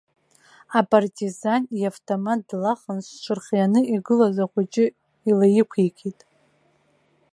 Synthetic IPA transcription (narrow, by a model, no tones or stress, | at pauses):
apʼartʼʰizaniavtʰʼomat̚dlaχənst͡ʃʷʰɨrχʲjanɨiɡɨlazaχʷʊt͡ʃʼɪ | ilajɪkʷʰikʲʰʼitʼ